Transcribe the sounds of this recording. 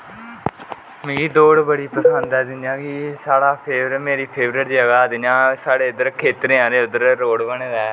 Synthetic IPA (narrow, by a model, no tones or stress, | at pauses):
mẽɡiːd̪oːɽbəɽiːpəsənd̪ɛːd̪ɪnjãːkisaːɽaːpʰeːbɾəmeːɾiːpʰeːbɾəɾd͡ʒəɡaːd̪ɪnãːsaːɽeːʊd̪əɾkʰeːt̪ɾẽːãːɾeːʊd̪əɾɾoːɽbəɳeːd̪ɛː